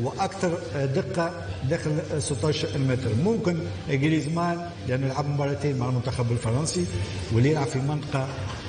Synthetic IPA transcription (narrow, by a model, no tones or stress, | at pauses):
wʔækt̪ɑɾˤd̪ɪqːɑ | d̪æːxɪlsˤət̪ˤːɑːʃɾkilmɛt̪ɾmʊmkɪn | ɪɡɾizmaːl | lʔænːɪlʕabmʊbɑɾˤːɑt̪eːnmaʕalmʊnt̪axæbɪlfɑɾˤɑnsiwəlːijɪlʕabfimɪnt̪ˤɑ̥qɑ